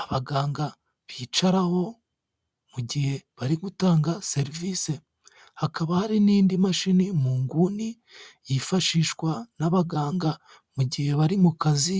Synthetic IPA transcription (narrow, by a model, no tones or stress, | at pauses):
aβaɡaːŋɡa | βiːt͡ʃaɾaho̞ | muɟihe̞βaɾiɡutaːŋɡase̞ɾivise̞ | hakaβahaɾiniːndimaʃinimuːŋɡuni | jifaʃiːʃkwanaβaɡaːŋɡa | muɟihe̞βaɾimukazi